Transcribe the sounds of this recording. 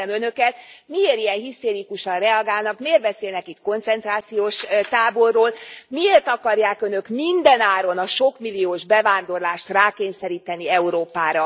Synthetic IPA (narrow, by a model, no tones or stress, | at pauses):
ɛmønø̞kɛt̪mieːɾijɛnɦist̪eːɾikuʃɒnrɛɒɡaːlnɒkmeːrbɛseːlnɛkit̪ko̞nt̪sɛnt̪raːt̪sijoːʃt̪aːbo̞rːoːlmieːrt̪ɒkɒrjaːkønø̞kmind̪ɛnaːɾo̞nɒʃo̞kmilːijoːʒbɛvaːnd̪o̞rlaːʃt̪raːkeːɲsɛɾiːt̪ɛniɛuɾoːpaːɾɒ